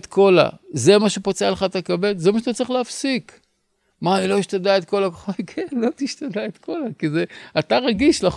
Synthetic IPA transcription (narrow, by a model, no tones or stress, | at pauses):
t̪kʰo̞la̰zemaʃepot͡sealeχat̪akabe̞tzemaʃeat̪at͡siχleafsik | maːnilo̞iʃt̪adaet̪ko̞lakoχotkʰenlo̞t̪iʃt̪ad̪aet̪kʰo̞lakizeat̪aʁaɡiʃla